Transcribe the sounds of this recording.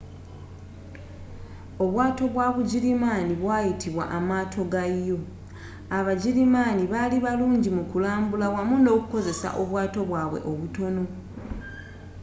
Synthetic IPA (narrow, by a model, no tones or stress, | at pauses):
o̞βwaːto̞βwaβuɟiɾimaːniβwaːjitʰiβwa̰ʔamaːtʰo̞ɡajo̞ | aβaɟiɾimaːniβaliβaluːɲɟimukulaːmbulawamuno̞ːkuko̞ze̞sa̰ʔo̞βwaːto̞βwaːβwe̞̰ʔo̞βuto̞no̞